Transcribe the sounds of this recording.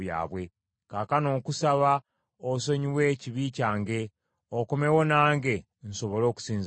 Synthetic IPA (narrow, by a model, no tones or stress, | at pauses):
ja̰ːβwe̞ | kaːkano̞ːkusaβa | oso̞ɲiwe̞ciβiːcaːŋɡe̞ | oko̞me̞wo̞naːŋɡe̞ | n̩so̞βo̞lo̞ːku̥siːnz